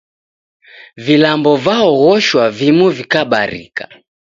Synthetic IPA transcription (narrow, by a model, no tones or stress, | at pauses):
vilambɔvaɔɣɔʃwavimuvikaɓaɾḭkḁ̰